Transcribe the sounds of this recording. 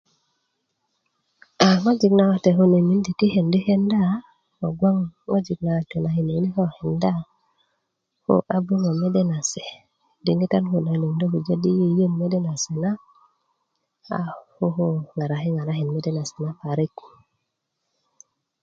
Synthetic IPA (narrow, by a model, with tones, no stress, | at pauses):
a˨ŋo˦d͡ʒi˨kna˨wa˨te˨ɦo˦ne˨mi˦n˦di˨ki˦he˨ndi˦he˦nda˦˨ | ho˨ɡa˦ŋːo˦d͡ʒi˨kna˨wa˨te˨na˨hi˨ne˨˦ni˦ho˦he˨nda˦ | ho̰˦ʔa˦bu˦ŋo˨me˦de˦na˨se˨ | di˨ŋɡi˦ta˦nho˨na˨i˨ne˨ŋdo˦bu˨d͡ʒe˦di˦ji˦jə˦˨nme˦de˦na˨se˨na˦ | a̰˨hu˦ɦo˦ŋa˨ɾa˨ɦe˦ŋa˨ɾa˦ɦe˨nme˦de˦na˨se̥˨na˦pa˨ɾi˦k